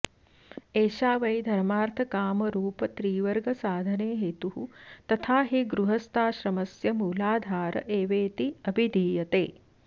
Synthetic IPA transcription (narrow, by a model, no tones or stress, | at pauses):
eːʃaːʋɐjd̪ʱɐɾmaːɾt̪ʰɐkaːmɐɾuːpɐt̪ɾiːʋɐɾɡɐsaːd̪ʱɐneːɦet̪uɦut̪ɐt̪ʰaːɦiɡɾuɦɐst̪ʰaːʃɾɐmɐsjɐmuːlaːd̪ʱaːɾɐ̰ʔeːʋeːt̪iɐbʱid̪ʱiːjɐt̪ḛː